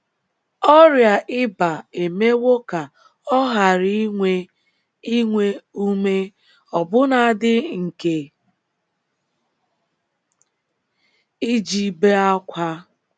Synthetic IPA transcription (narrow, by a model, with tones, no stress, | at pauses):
ɔ˦ɾja˨ʔɪ˦ba˨e˨me˦wo˦ka˨ | ɔ˦ɦa˨ɾi˦e˦ | i˦ŋʷe˦u˦me˦ | ɔ˨bʊ˦na˨dɪ˦ŋ̩˨ke˨ | i˦d͡ʒi˨be˦a˦kʷa˦